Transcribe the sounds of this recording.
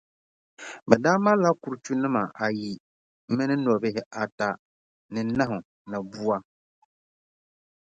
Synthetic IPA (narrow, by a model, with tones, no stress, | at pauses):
bɛ˨daː˦ma˦la˦ku˨ɾt͡ʃu˦nɨ˦ma˨ʔa˨ji˨˦ | mɪ˦nɨ˦nɔ˨bɪ˦ɦɪ˦ʔa˨ta˨ | nɨ˨˦na˦ɦʊ˨ | na˨bu˦a˦